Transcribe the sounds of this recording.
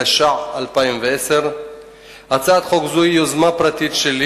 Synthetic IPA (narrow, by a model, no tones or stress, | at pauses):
eʃaʕalpaimveeseʁ | at͡saːd̪χokzuijozmapʁat̪it̪ʃeli